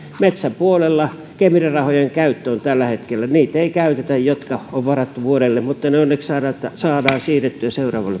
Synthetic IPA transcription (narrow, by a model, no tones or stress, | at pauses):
met̪sæmpuolelːɑ | kemirirɑhojeŋkæyt̪ːøont̪ælːæhet̪kelːæniːt̪eikæyt̪et̪æjjot̪kɑoʋʋɑrɑt̪ːuʋuoɾelːemmut̪ːɑneonːekssɑːdɑt̪ːsɑːdɑːsiːret̪ːyæseurɑ̰ːʋɑlːe